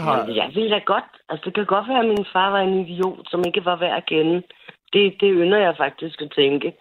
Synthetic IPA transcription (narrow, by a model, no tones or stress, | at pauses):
sjaɪʋe̝ld̥æɡ̥ɒ̽d̥ʔælsəd̥e̝kʰæɡ̥ɒ̽d̥ʋæːɐminfɑ̈ːʋɑ̈e̝nid̥io̝̰ːd̥sɒ̽me̝ɡ̥əʋɑ̈ʋæɐ̰kʰenəd̥e̝d̥e̝ønɐjɑ̈ɪfɑ̈ɡ̥̚d̥isɡ̥æt͡sʰeŋɡ̥ə